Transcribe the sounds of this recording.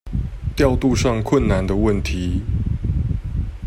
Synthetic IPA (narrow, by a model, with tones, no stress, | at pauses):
t̪jɑ˥˧ʊt̪u˥˧ʂɑ˥˧ŋkʰwə˥˨nna˨˦nd̪ə˨wə˥˩nt̪ʰi˨˦